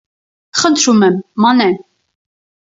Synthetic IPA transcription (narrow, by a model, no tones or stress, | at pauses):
χənt̪ʰɾumɛmːɑnɛn